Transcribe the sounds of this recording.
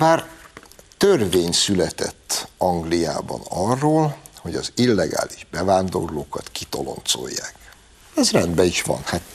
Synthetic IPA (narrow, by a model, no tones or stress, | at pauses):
baːr | t̪ørveːɲsylɛt̪ɛ̰t̪ːɒŋɡlija̰ːbɒ̰nɒrːoːlho̞ɟɒzilːɛɡa̰ːliʒbɛvaːnd̪o̞̰rloːkɒt̪kit̪olo̞̰nt̪so̰jːa̰ːk | ɛzrɛnd̪bɛiʃʋɒ̰nhat̪